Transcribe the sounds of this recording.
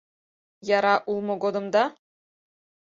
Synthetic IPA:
jɑɾɑʔulˠmɤ̆ɡod̪ɤ̆md̪ɑ

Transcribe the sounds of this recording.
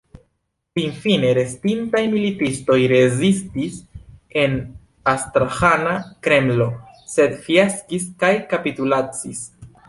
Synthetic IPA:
sinfine̞ɾe̞stintajmilitisto̞jɾe̞zistise̞n | astɾaxanakɾe̞mlo̞ | se̞d̪fiaskiskajkapitulat͡sis

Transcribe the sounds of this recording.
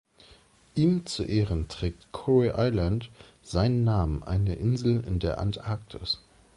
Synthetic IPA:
ʔiːmt͡suʔeːʁəntʁ̥ɛːk̚tkʰɔʁeʔaɪlant | z̥aɪnənːaːmənʔa̰ɪnəʔɪnzl̩ɪ̰ndeːɐʔa̰ntʔaɐk̚tʰɪ̰s

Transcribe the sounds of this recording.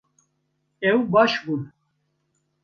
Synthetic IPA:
ɛwbaʃbun

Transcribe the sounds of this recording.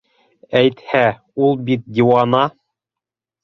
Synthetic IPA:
æjt̪hæ | ulˠbit̪̚d̪ʲiwɑnɑ

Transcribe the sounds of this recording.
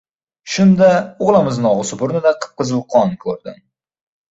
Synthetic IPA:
ʃʊnd̪aʊʁlˠamɪznɒʁɨsʊbʊɾnɪd̪aqʰɨ̥p̚qɨzɨlˠqʰɒnkʰɵɾd̪ɪ̰m

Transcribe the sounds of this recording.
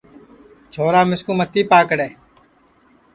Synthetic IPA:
t͡ʃʰoːɾaːmɪskuːmət̪ːiːpaːkəɽeː

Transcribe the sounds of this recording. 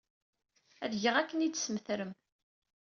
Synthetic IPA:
æðʝəʁækːənid̪səmθɾəm

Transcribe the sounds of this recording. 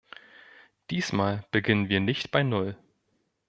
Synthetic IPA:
d̥iːsmaːlb̥əɡɪnənviːɐnɪçtb̥aɪnʊl

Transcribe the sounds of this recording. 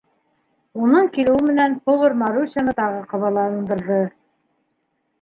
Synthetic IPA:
unɤɴkilɘ̆wɘmɘ̆nænpovɤɾmɑɾusanɤt̪ɑʁɤqŏβɑlˠɑɤ̆nd̪ɤ̆ɾðɤ

